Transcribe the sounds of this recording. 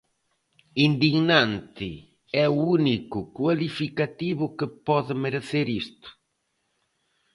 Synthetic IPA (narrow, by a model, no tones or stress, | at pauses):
ind̪iɡnant̪i | ɛuunikʊkwalifikat̪iβʊkepɔðɪmeɾeθeɾist̪ʊ̥